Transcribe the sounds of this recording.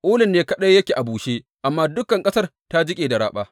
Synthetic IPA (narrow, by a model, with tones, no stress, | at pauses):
ʔoː˦lɪ˨nːeː˦kɐ˦ɗɐ˦jjɐ˦kʲeː˨ʔa˨buː˨ʃeː˦ | ʔa˨mːaː˦dʊ˦kːɐ˨ŋkʼɐ˦sɐ˦rta˦d͡ʒɪ˦kʲʼeː˨da˨ɽa̰ː˦ɓaː˦